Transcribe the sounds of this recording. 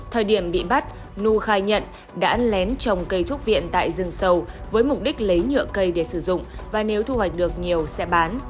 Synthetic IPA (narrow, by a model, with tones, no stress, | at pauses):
t̪ʰəː˨˩jɗi˧˩əmɓḭ˧˨ɓa˦˥t̚ | nu˧xaː˧jɲə̰˧˨n | ɗa̰ː˧˥lɛ˨˦nt͡ɕɔ˧˩wŋ͡mkə˧jt̪ʰu˦˥ək̚vḭ˧˨ənt̪a̰ː˧˨jzɨ˧əŋsə˧wvəː˨˦jmʊ˨˩k͡p̚ɗi˦˥k̟̚lə˨˦jɲɨ̰˧˨əkə˧jɗe˧˩sɨ˧˩zʊ̰˧˨ŋ͡mvaː˨˩ne˨˦wt̪ʰu˧hwa˨˩jk̚ɗɨ˨˩ək̚ɲi˨˩əwsɛ̰˧˥ɓaː˨˦n